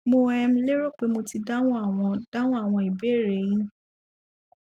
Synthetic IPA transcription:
mo˧ɛ˧m̩̃˦le˦ɾo˦˨k͡pe˨˦mo˧ti˧da˦wɔ̃˦a˦˨w̃ɔ̃˧d̥a˦w̃ɔ̃˦a˦˨w̃ɔ̃˧i˨be˨˦˨ɾe˨ĩ˦nũ˦

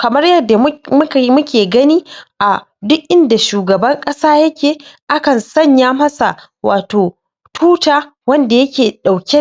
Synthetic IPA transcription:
kɐ˨mɐ˦rjɐ˦dːa˨˦m˦mʊ˦kʲeː˨ɡɐ˦niː˦ʔa˨ | dʊ˦ʔʔɪ˦nda˨ʃuː˨ɡɐ˨bɐ˦ŋkʼɐ˦saː˦jɐ˦kʲeː˨ʔa˦kɐ˨nsɐ˦˨ɲjaː˦mɐ˦sa˨ | waː˨toː˨ | tʰuː˦taː˦ | wɐ˦nda˨jɐ˦kʲeː˨ɗa˨wkʲe˦

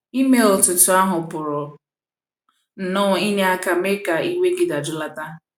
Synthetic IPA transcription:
i˦me˨˦l̩˨tʊ˨tʊ˨a˦ɦʊ˨pʊ˨ɾʊ˨ | n̩˨nʊ˦˨i˦ɲe˦a˦ka˨me˦ka˨ʔi˦we˦ɡɪ˦da˨d͡ʒʊ˦la˦ta˦

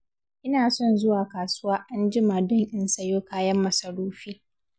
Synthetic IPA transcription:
ʔɪ˦naː˨sɔ˦˨nzʊ˦waː˨kaː˨sʊ˦waː˦ʔa˦nd͡ʒɪ˦maː˨dɔ˦ŋʔɪ˨nsɐ˨joː˦kaː˦jɐ˦mːɐ˨sɐ˨ɽuː˦ɸiː˦

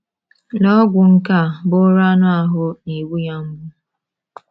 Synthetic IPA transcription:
lɔ˦ɡʷʊ˨ŋ̩˦ka˦˨bʊ˦ɾa˦nʊ˦a˨ɦʊ˦ni˨wu˦ja˦m̩˦bʊ˦

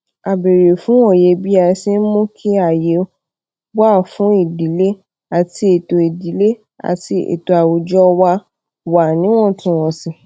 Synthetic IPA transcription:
a˨be˨ɾe˨fũ˨˦wɔ̃˦˨je˧bi˦a˧si˦n̩˦mõ˦kʰi˦a˦˨je˨˦ | ba˦˨fũ˨˦i˦˨di˨˦le˦ | a˨ti˧˦e˨to˨i˨di˨˦le˦ | a̰˨ti˧ḛ˨to˨a˨wo˨d͡ʒɔ˦wa˧ | wa˨nĩ˨˦w̃ɔ̃˦˨tũ˧˦w̃ɔ̃˨si˨

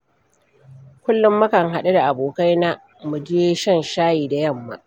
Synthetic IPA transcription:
kʷʊ˦lːʊ˦mːɐ˦kɐ˨ŋɦa˨ɗe˦da˨ʔa˨boː˨ka˦jna˦ | mu˨d͡ʒeː˦ʃɐ˦nʃaː˦jiː˨da˨jɐ˦˨mːa̰˦ʔ

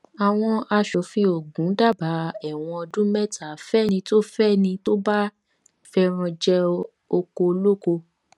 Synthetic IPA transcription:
a˨w̃ɔ̃˧ʔa˧ʃɔ˨˦fĩ˧˦o˨ɡũ˨˦da˦˨ba˨˦ɛ˨w̃ɔ̃˧ɔ˧dũ˦mɛ˦ta˨˦fɛ˦˨nĩ˧to˦fɛ˦nĩ˧to˦ba˦ | fɛ˦ɾ̃ɔ̃˧d͡ʒɛ˦ | o˧ko˧lo˦ko˧

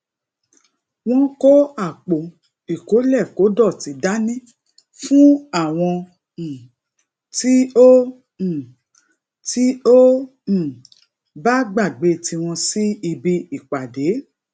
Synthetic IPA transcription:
w̃ɔ̃˦ko˦a˦˨k͡po˨ | i˨ko˨˦lɛ˦˨ko˨˦dɔ˦˨ti˨˧da˦nĩ˦ | fũ˦a˦˨w̃ɔ̃˧˨ | ti˦õ˦˨ | ti˦õ˦˨ | ba˦ɡ͡ba˦˨ɡ͡be˨˧˦ti˧w̃ɔ̃˧si˦i˧bi˧˦i˦˨k͡pa˨de˨˦

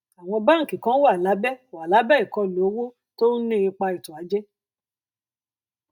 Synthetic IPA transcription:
a˨w̃ɔ̃˧ba˦ŋ̩˨kĩ˨kã˨˦wa˦˨la˨˦bɛ˦˨a˨la˨˦bɛ˦i˨kɔ˧lo˨o˦wo˦ | to˦nĩ˦i˧k͡pa˧i˨tũ˨a˨˦d͡ʒɛ˦

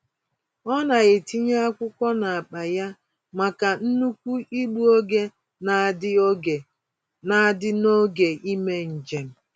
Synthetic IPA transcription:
ɔ˦na˨ɣe˨ti˦ɲa˦a˦kʷʊ˦kʷɔ˦na˨a˨k͡pa˨ja˦ | ma˨ka˨n̩˦nu˦kʷu˦i˦ɡ͡bu˦o˦ɡe˦ | na˨˦˨ | na˦dɪ˦no˦ɡe˨ʔi˦me˦n̩˨d͡ʒe˨m̩˦

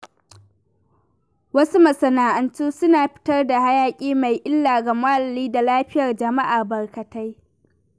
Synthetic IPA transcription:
wɐ˦su˦mɐ˨sɐ˨naː˨ʔɐ˨ntuː˦sʊ˦naː˨ɸɪ̥˦tɐ˦rda˨ha˦jaː˦kʲʼiː˦ma˨jʔɪ˦lːaː˨ɡa˨maː˦lɐ˨liː˦da˨laː˦ɸɪ˦jɐ˨rd͡ʒɐ˨ma˦ʔaː˨bɐ˨rkɐ˨ta˦j

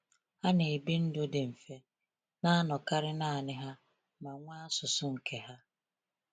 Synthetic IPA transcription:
a˦ne˨bi˦n̩˦dʊ˦de˨m̩˨fe˨ | na˦a˦nɔ˨ka˦ɾɪ˦na˦˨a˨nɪ˦ɦa˦ | ma˨ŋʷaː˦a˦sʊ˨sʊ˦ŋ̩˨kʰe˦ɦa˦

